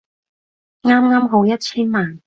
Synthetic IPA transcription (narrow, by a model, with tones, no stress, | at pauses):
ŋaː˥mŋaː˥mɦo˨˥wjɐ˥t̚t͡ɕʰiː˥nmaː˨n